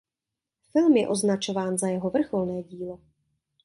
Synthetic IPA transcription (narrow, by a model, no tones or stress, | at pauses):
fɪlmjɛ̰ʔo̞znat͡ʃo̞vaːnzajɛɦovr̩xolnɛːɟiːlo